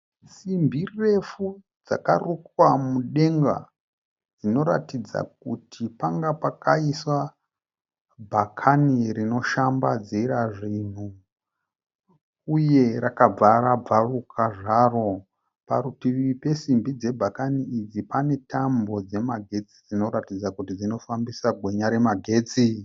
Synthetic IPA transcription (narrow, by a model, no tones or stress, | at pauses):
simbʱire̞fu | d͡za̰ka̰rukwamuɗe̞ŋɡa̰ | d͡zino̞ɾa̰tid͡za̰k̚utʰipaŋɡapakaiswa | bʱakʰanirino̞ʃambad͡ziɾaʐin̤u | uje̞rakab͡vaɾab͡varukʰaʐaːro̞ | paɾutiripe̞simbid͡ze̞bʱakaniid͡zipane̞tʰambo̞d͡ze̞maɡʱe̞t͡sid͡zino̞ɾatid͡zakutid͡zino̞fambisaɡʱwe̞ɲaɾe̞maɡʱe̞ːt͡si